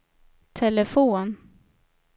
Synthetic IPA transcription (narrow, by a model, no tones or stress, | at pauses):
t̪ʰɛləfoːn